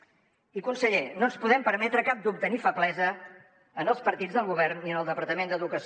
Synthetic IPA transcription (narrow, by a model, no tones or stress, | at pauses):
ikunsəʎenonspuðɛmpəɾmɛt̪ɾəkap̚d̪up̚t̪ənifəplɛzə | ənəlˠspəɾt̪id͡zðəlˠɣuβ̞ɛrnːiənəlˠd̪əpəɾt̪əmend̪əðukəs